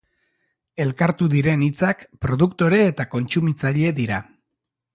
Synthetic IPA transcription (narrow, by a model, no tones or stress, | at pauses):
e̞lkaɾt̪uðiɾe̞nit͡sakpɾo̞ð̞ukt̪o̞ɾe̞ːt̪ako̞nt͡sumit͡saʎe̞ðiɾa